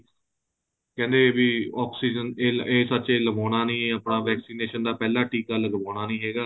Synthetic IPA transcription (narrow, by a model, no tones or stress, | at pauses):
kɛ̃ːnd̪eːbiːɔːksiːd͡ʒəneːeːsəːt͡ʃeːləmaːnaːnĩːəpɽaːʋɛːksiːneːʃənd̪aːpɛːlaːʈiːkaːləɡəbaːnaːnĩːɦeːɡaː